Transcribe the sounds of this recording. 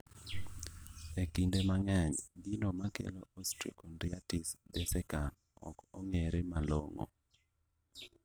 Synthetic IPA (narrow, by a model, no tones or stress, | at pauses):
ekindemaŋɛɲɡɪnomakḛloostikɔndiatisdɛsɛkan | ɔ̰kɔŋeɾemaloŋɔ̰